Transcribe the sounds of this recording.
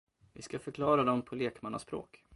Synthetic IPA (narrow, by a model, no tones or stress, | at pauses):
vɪskafœɾkʰlɑːɾad̪ɔmpʰɔleːkmana̰spɾo̰ːk